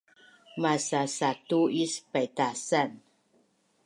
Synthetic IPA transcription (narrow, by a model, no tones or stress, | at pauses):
masasatuispatasan